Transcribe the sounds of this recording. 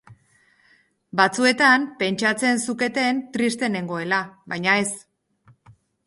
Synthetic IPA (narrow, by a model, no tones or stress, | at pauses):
bat͡sue̞t̪ampe̞nt͡ʃat͡se̞nsuke̞t̪e̞nt̪ɾist̪e̞ne̞ŋɡo̞e̞laβajɲae̞s